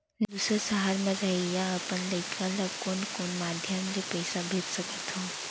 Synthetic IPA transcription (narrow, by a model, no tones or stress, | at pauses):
d̪uːsəsəɦaɾmẽɾɐɦijaɐpənlɐɪkkalɐkoːnkoːnmaːd̪ʱjəmlipɛɪsabʱeːt̪sɐkət̪ɦõː